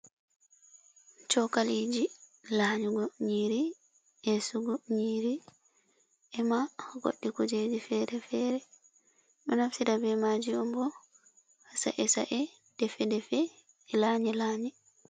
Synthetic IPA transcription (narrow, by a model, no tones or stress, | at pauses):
t͡ʃɔkalid͡ʒilaːɲuɡɔɲiːɾi | ʔɛsuɡɔɲiːɾi | ʔɛmaɡo̰ɗːikud͡ʒed͡ʒifɛɾɛfɛːɾɛ | ɓɛnafsidabɛmaːd͡ʒiɔmbɔ | hasa̰ʔɛsa̰ʔɛ | d̥ɛfɛdɛfɛː | laɲɛlaːɲɛ